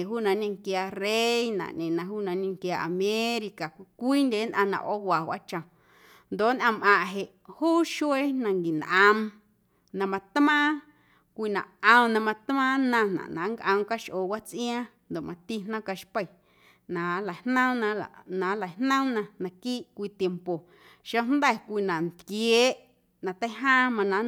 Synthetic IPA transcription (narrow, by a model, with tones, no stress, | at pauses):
ɦuː˦nã˧ɲĩ˧ŋkjaː˧re˦jnã̰˨ɲẽ˨nã˧ɦuː˦nã˧ɲĩ˧ŋkjaː˧ʔa˨mẽ˦ɾi˧ka˨kʷkʷiː˦ndʲe˨˦nʔã̰˧nã̰˧˨ʔo˦wa˨wʷʔa˦t͡ʃã˨ | nd̪o˨nʔã˧˨mʔã˧ʔɦe˨ʔ | huː˦ʃu˦e˦nã˧ŋɡi˨nʔã˧m | nã˧mã˧t̪mã˦ | kʷi˧˨nã˨ʔə̃˧mnã˧mã˧t̪mãː˦nã˧nã̰˨ʔnã̰˨˦ŋkʔə̃˧mka˦ʃʔoː˨wa˦t͡sʔj̃ã˦nd̪o˨ʔmʔã˧t̪i˦nã˦ka˧ʃpə˧˨ | nã˨la˨hnə̃˦mnã˧a˨nã˨˦la˨jnnə̃˦mnã˧nã˧kiː˦ʔkʷiː˧t̪je˧mpo˨ | ʃo˦nd̪ɛ˦˨kʷi˧nã˨n˨t̪kje˦ʔ | nã˧t̪ə˦ɦãː˦mã˧nã˨˦